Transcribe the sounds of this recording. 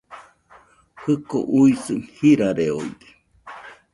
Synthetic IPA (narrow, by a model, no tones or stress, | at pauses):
hɨko̰ʔuisɨnhiɾaɾeo̰ḭd̪e̥